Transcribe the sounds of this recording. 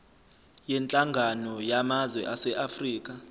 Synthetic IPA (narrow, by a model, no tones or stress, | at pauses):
jɛnt͡ɬʼaŋɡʱanɔjamazwɛʔasɛʔafriːk̬a